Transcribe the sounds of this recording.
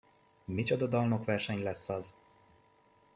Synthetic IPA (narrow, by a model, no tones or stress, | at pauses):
mit͡ʃɒd̪ɒd̪ɒlno̞kʋɛrʃɛɲlɛsːɒz